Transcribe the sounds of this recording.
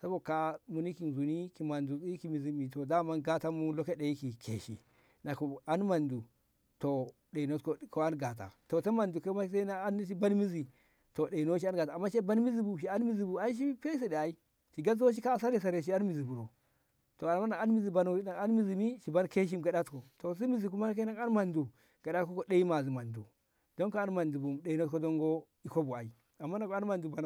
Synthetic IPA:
sa˦bo˦˨ka˨˦mu˨ni˦ki˨nzu˨ni˦ki˨ma˨ndu˨si˦ki˨mi˨zi˨mi˨to˨da˦ma˦nɡa˦ta˦mu˦lo˦ke˦ɗe˨i˦ki˨kʰḛ˨ʃḭ˨ | na˨ku˨a˦nma˨ndu˨ | to˨ | ɗe˨no˦tko˦ko˦a˦nɡa˨t̬a̰˨to˨ta˦ma˨ndu˨ke˦ma˦ki˦s̬e˦na˦a˦nːi˦ʃ̬i˦ba˦nmi˦zi˨ | to˨ɗe˨no˦ʃ̬i˦a˦nɡa˨ta˨a˨mːa˦ʃe˦ba˦nmi˦zi˦bu˨ʃ̬i˨a˦nmi˦zi˨bu˨a˦i˦ʃ̬i˦pe˦s̬e˦ɗe˨a˨i˦ | ʃi˨ɡa˦zwo˦ʃ̬i˦ka˦˨s̬a˦ɾe˨s̬a˨ɾe˨ʃ̬i˦a˦nmi˨zi˨bu˨ɾo˨ | to˨a˨ma˦na˨a˦nmi˨zi˨ba˨n˦a˨a˦nmi˨zi˨mi˦ʃi˨ba˦nke˦ʃ̬i˦mɡa˨ɗa˦tko˨to˨s̬a˦mi˨zi˨ku˦ma˦ke˦na˦a˦nma˨ndu˨ | ɡ̥a˨ɗa˦ko˦ko˨ɗe˦i˦ma˨zi˨ma˨ndu˨ | do˦ŋko˦a˦nma˨ndu˨bu˨ɗe˨i˨no˦tko˦do˦ŋɡo˦ | i˨ko˦bu˨a̰˨i˦ | a˨mːa˦na˨ka˦nma˨ndu˨ba˨n˨

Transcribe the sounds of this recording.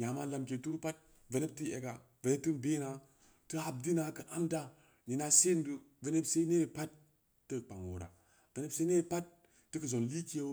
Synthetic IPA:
ɲa˨ma˦la˨mk̬e˨tu˦ɾu˦pa˦t̚ | ve˨ne˦ti˦ḛ˨ɡa˨ | ve˨n˦p̚tɨ˦nbe˦na˨ | tɨ˦a˨b̚di˦na˨kɨ˨ʔa˦mda˦ | ni˨na˨se˦n˦du˨ | ve˨ne˦bse˦i˦ne˦˨pa˦tː | ə˦k͡pa˨ŋwo̰˨ɾa̰˨ | ve˨ne˦bse˦ne˦˨pa˦t̚ː | ɨ˦kə˨zo˨nli˦ki˦e˦

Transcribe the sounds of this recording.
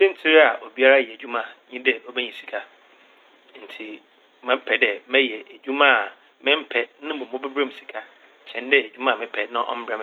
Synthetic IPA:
ɪ̃˦n̩˦tʰi˦ɾa˨ʔo˨bi˦a˦ɾa˦˨jɛ˨d͡ʑᶣu˦mã˨ɲĩ˦dɛ˨o˦bɛ˦ɲĩ˨si̥˨kʰa˦ | n̩˨tʰi˨ | mã˦m˦pʰɛ˨dɛ˨mɛ̃˦jɛ˨e˨d͡ʑᶣũ˦mã˦˨ | mɪ̃˦m̩˦pʰɛ˨nɪ̃˦bõ˨mʊ̃˦bɪ˦bɾã˦m˨si̥˨kʰa˦ | ɕʰɛ̃˨n˦dɛ˦e˨d͡ʑᶣu˦mã˦˨mɪ̃˦pʰɛ˨nã˦ʔɔ̰˦m̩˦bɾã˦m˨

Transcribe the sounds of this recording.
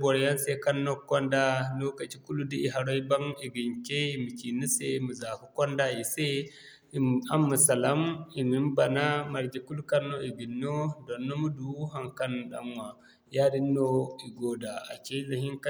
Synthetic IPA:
bo˨ɾja˦nse˦ka˦nːo˦kːɔ˦nda˦lo˦ka˨t͡ʃi˦ku˦lu˦di˦i˨ɦa˨ɾo˦i˦ba˦ŋi˨ɡi˨ŋkʲe˦i˦˨mi˨ki˨ni˦se˦mu˨za˨ku˦kɔ˦nda˦i˨se˦˨ | a˦mːu˨sa˨la˦mi˨ni˦mba˨na˦ma˨ɾd͡ʒi˨ku˦lu˦ka˦nːo˦i˨ɡi˨nːo˦do˨nːo˦mu˦du˨˦ɦa˦˨ŋka˦n˨ɗa̰˨mwa˨ | ja˦di˦nːo˦i˨ɡo˨da˨a̰˨t͡ʃe˦la˨ɦi˦ŋk

